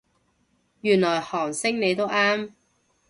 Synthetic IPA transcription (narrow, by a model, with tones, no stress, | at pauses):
jyː˨˩nlɔː˨˩jhɔː˨˩ŋsɪ˥ŋne˨˧jt̪o˥wʔaː˥m